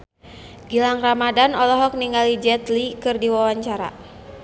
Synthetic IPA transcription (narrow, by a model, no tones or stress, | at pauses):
ɡilaŋramadanɔlɔɦɔk̚niŋɡalid͡ʒɛt̪likɨrdiwawaɲt͡ʃaɾa̰